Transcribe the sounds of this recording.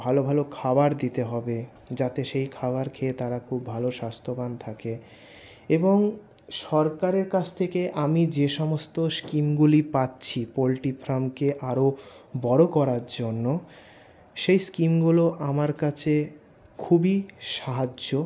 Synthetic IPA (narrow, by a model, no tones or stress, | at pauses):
bʱalobʱalokʰabaɾd̪it̪eɦɔbe | d͡ʑat̪eʃejkʰabaɾkʰeːt̪aɾakʰubːʱaloʃast̪ʰobant̪ʰake | eboŋ | ʃɔɾkaɾeɾkat͡ɕʰt̪ʰekeʔamid͡ʑeʃɔmost̪oskimɡulipatːɕʰipolʈipʰɾamkeʔaɾobɔɾokɔɾaɾd͡ʑonːo | ʃejskimɡuloʔamaɾkat͡ɕʰe | kʰubiʃaɦad͡ʑo